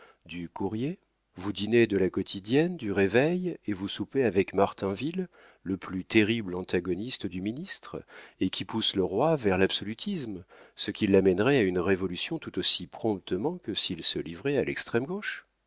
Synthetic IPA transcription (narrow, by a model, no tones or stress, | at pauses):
d̪ykuʁje | vud̪ined̪əlakɔt̪ʰid̪jɛnd̪yʁevɛjevusupeavɛkmaʁt̪ɛ̃vilː | əplyt̪eʁiblɑ̃t̪aɡɔnist̪əd̪yminist̪χekʲʰipusləʁwavɛʁlabsɔlyt̪ʰismsəkʲilːamɛnʁɛaynʁevɔlysjɔ̃t̪ut̪osipχɔ̃pt̪əmɑ̃kəsilsəlivʁɛalɛkst̪χɛmɡoʃ